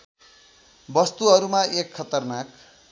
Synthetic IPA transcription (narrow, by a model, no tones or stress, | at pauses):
bʌst̪uɦʌɾumaekʰːʌt̪ʌrnak